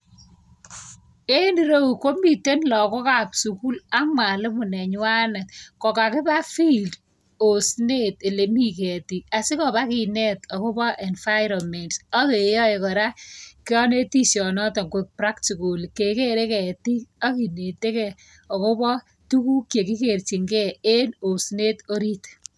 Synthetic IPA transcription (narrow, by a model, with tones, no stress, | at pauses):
e˦ni˨ɾo˦wu˨ko˦mbi˨te˦nlɔ˨kɔ˦ka˨psu˨ku˦la˦mwa˨lɪ˦mʊ˨nɛ˨ɲ˦wa˦nɐ˨tkɔ˨ka˨kɪ˦ba˦fi˦ld | o˨sne˦te˨le˨mi˦kɛ˨ti˨ka˨sɪ˦kɔ˨ba˦ki˨nɛ˦tɔ˨ko˦bɔ˦ʔe˨nfa˦ɪɾɔ˨mɛ˨ntsɔ˦ke˨jɔ˦e˨kɔ˨ɾa˦kɪ˦ɔ˦ne˦ti˦sjɔ˨nɔ˦tɔ˨ŋɡek̚pɾa˦kti˨ko˨lke˨ke˦ɾe˦kɛ˨ti˦k̚a˦ki˨ne˨te˦kɛ˨ | ɔ˨ko˦bɔ˦ | tu˦ku˦kje˨ki˦ke˨rt͡ʃi˨ŋɡɛ˦e˦no˨sne˦to˦ɾi˦t